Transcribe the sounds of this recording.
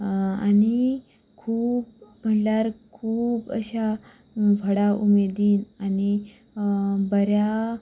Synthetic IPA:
a̰ni | kʰuːp̚m̤əʈljaɾkʰuːpə̰ɕa | fəɽaʔumed̪iːnani | bəɾja

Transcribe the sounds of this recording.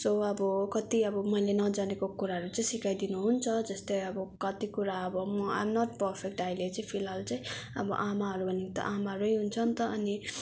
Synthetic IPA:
soʌbʌkʌt̪iʌbʌmʌilenʌd͡zanekokuɾaɦʌɾut͡saj̃sikajd̪inuɦunt͡sʰʌd͡zʌst̪ʌjʌbʌkʌt̪ikuɾaʌbʌmʌa̰jmnʌʈ̚pʌɾpʰek̚ʈajlet͡saĩpʰilɦalt͡sãj̃ʌ̰bʌ̰ʔamaɦʌɾubʱʌnekt̪ʌ̰ʔamaɾojɦunt͡sʰʌnt̪ʌːni

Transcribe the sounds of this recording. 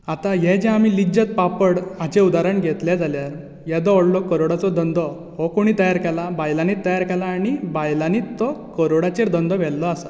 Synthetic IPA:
at̪ajɛd͡ʑɛ̃amiːlid͡ʑət̪̚papəɽãt͡ɕeud̪aɾəɳɡʱɛt̪ljɛd͡zaljaɾ | jɛd̪ɔɔɽlɔkəɾoɽat͡sɔd̪ənd̪ɔ | ɦɔkoɽ̃it̪əjaɾkɛlabajlanit̪ːəjaɾkɛlaːɽ̃ibajlanit̪ːɔkəɾoɽat͡ɕeɾd̪ənd̪ɔʋ̤ɛlːɔasa

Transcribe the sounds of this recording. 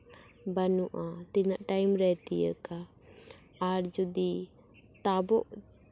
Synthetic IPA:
banuʔat̪inaʔʈajmɾɛt̪ijə̰kaː | ɾd͡ʒud̪i | t̪abɔ̰ʔ

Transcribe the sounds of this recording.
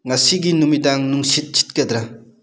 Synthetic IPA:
ŋasiɡinumidaŋnuŋsit̚t͡ʃi̥t̚ked̪ɾa

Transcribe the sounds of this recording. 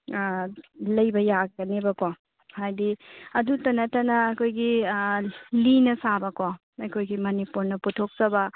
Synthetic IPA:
lɐjbɐjaɡɐnebɐko | hajdiɐdutɐnɐtɐnɐːkʰojɡi | linɐsabɐko | ɐjkʰojɡimɐnipuɾnɐputʰːok̚zɐbɐ

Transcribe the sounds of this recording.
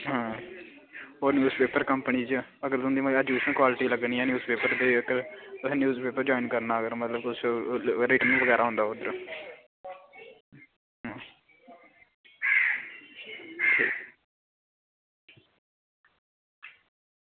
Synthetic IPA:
ɦãː | oːnjuːzpeːpəɾkəmpəniːd͡ʒəɡəɾt̪ʊ̃nd̪iːməəd͡ʒuːsə̃nkwaːlɪʈiːləɡniːɛ̃ːnjuːzpeːpəɾb̪eːkəɾt̪ʊsẽːnjuːzpeːpəɾd͡ʒoːinkəɾnaːəɡəɾmət̪ləb̪ʊsɾɪʈənʋəɡɛːɾaːɦõnd̪aːʊd̪əɾ | ɦãː | ʈʰḭːk

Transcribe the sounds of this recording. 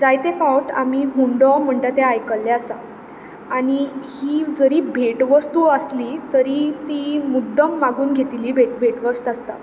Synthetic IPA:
d͡zajt̪efawʈa̰miɦuɳɖɔm̤əɳʈ̪at̪eajkəlːeasa | aɽ̃ihiːd͡zəɾiːbʱeʈʋəst̪uəslit̪əɾit̪imud̪ʱːəmːaɡuːnɡʱet̪iliːbʱeʈbʱeʈʋəst̪ast̪a

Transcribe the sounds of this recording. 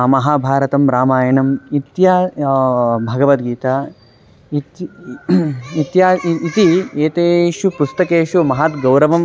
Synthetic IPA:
mɐɦaːbʱaːɾɐt̪ɐmɾaːmaːjɐnɐmit̪jaː | bʱɐɡɐʋɐt̪̚ɡiːt̪aː | it̪ | it̪jaːit̪ieːt̪eːʂupust̪ɐkeːʂumɐɦat̪ɡɐwɾɐʋɐm

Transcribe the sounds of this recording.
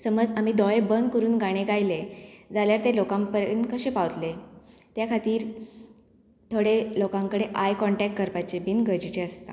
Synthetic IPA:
səməd͡zamid̪ɔɭebənd̪kəɾuːnɡaɽ̃eɡajled͡zaljaɾt̪elokãmpəɾənkəɕepaʋt̪let̪jakʰat̪iːɾ | t̪ʰoɽelokãŋkəɽeʔajkɔɳʈɛk̚ʈ̚kəɾpat͡ɕebinɡəd͡ʑit͡ɕeəst̪a̰

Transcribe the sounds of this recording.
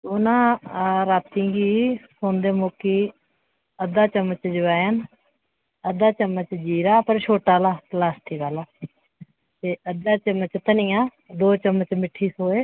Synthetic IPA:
doːnãːɾaːt̪ĩːɡiːsoːnd̪eːmoːkiː | əd̪aːt͡ʃəmət͡ʃd͡ʒəʋaːjən | əd̪aːt͡ʃəmːət͡ʃd͡ʒiːɾaːpəɾʃʰoːʈaːlaːlaːsʈ̪ʰiːkaːlaː | t̪eːəd̪aːt͡ʃəmət͡ʃt̪ənĩːjãː | d̪oːt͡ʃəmət͡ʃmɪʈʰːiːsoːeː

